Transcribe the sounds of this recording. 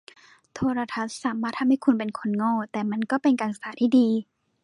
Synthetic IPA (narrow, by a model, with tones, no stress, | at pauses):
t̪ʰoː˧ɾa˧t̪ʰa˦˥t̪̚saː˩˦maː˥˩t̪̚hʰa˧ha˥˩jkʰu˧npe˨˧nkʰo˧˨nŋɔː˥˩˨t̪ɛː˨˩ma˧˥˨nkɔː˥˩pe˧nka˨nsaː˨˦t̪ʰiː˥˩diː˧